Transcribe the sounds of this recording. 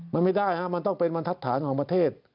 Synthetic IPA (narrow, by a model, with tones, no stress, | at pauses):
ma˧nma˥˩jdaː˥˩jnʰa˦˥ʔma˧nt̪ɔ˥˩ŋpe˧nwa˧nt̪ʰa˦˥t̪ʰːaː˩˦nkʰɔː˩˦ŋpɾa˧t̪ʰeː˥˩t̪̚